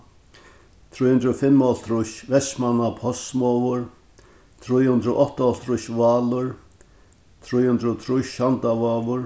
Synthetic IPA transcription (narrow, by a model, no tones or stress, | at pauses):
t̪ʰɾujhnd̪ɾʊfɪmːɔlt̪ʰɾʊʃvɛsmanapʰɔsmɔvʊɹ | t̪ʰɾujhʏnd̪ɾʊʔɔht̪aɔlt̪ʰɾʊʃʋaːlʊɹ | t̪ʰɾujhʏnt̪ɾʊt̪ʰɾʊʃant̪avaːvʊɾ